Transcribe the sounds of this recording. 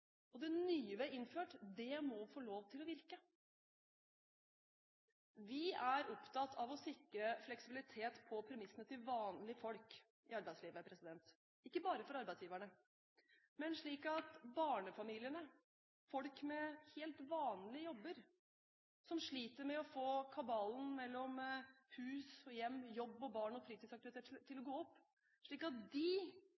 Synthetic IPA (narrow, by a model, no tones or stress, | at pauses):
ɔd̪ɛnyːəʋɛɪnføːʈd̪ɛmɔfoːloːʋt̪ʰɪlɔʋɪɾkə | ʋɪæɾɔpt̪ʰɑt̪ːɑʋɔsɪkːɾəflɛksɪbɪlɪt̪ʰeːt̪pʰɔpʰɾɛmɪsənət̪ʰɪlʋɑːnlɪfɔlk | ɪɑɾbæɪsliːʋəpʰɾɛsɪd̪ɛnt̪ | ɪkːəbɑːɾəfɔɾɑɾbæɪd̪sjiːʋæɳə | mɛnʂɭiːkɑt̪bɑːɳəfɑmiːlɪənə | fɔlkmɛheːlt̪ʋɑːnlɪəjɔbːəɾ | sɔmʂɭiːt̪əɾmɛɔfoːkʰɑbɑːln̩mɛlːɔmhʉːsɔjɛmːjɔbːɔbɑːɳɔfɾiːt̪ɪsɑk̚t̪ɪʋɪt̪ʰeːt̪ʰːɪlɔɡoːɔpː | ʂɭiːkɑt̪̚d̪ɪ